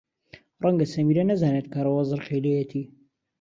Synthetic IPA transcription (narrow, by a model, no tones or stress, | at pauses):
rˤɐŋɡɐsɐmiːɾɐnɐzaːnet̪̚kʰaɾɐwɑzɨɾχejlejet̪ʰiː